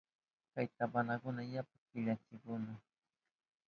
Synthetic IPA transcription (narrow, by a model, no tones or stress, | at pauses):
kajt̪abanakʊnajap̚akɪʎat͡ʃɪkʊna